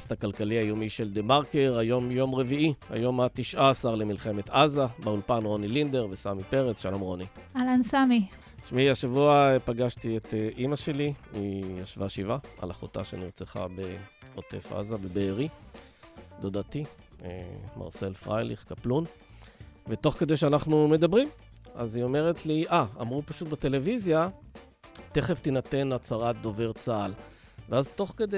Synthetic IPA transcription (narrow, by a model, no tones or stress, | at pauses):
stakalkaliajo̞miʃe̞ld̪emaʁkeʁajo̞mjo̞mʁe̞viia̰jo̞matiʃʔaːsaʁlemilχe̞me̞t̪azabeulpanʁo̞nilind̪e̞ʁvesamipeʁet͡sʃalo̞mʁo̞nialansami | ʃmiaʃavuapaɡaʃtiet̪eʔimaʃe̞liijaʃvaʃivaa̰laχota̰ʃeniʁt͡seχa̰beote̞̰fa̰zabebeːʁi | d̪od̪atiḛmʔa̰ʁse̞lfʁa̰jliχkaplun | veto̞χke̞d̪ejʃ̬eanaχnume̞d̪abʁim | azio̞me̞ʁetliʔaamʁupaʃut̚bete̞le̞vizja | te̞χeftinate̞nat͡saʁat̪̚d̪o̞ve̞ʁt͡saːl | veazto̞χke̞de